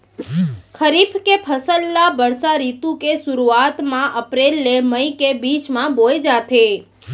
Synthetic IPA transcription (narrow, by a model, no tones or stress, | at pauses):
kʰəɾipʰkepʰəsəlːabəɾsaɾit̪ũkesuɾuat̪mãʔəpɾelːeməikebit͡ʃmãbojd͡ʒat̪ʰe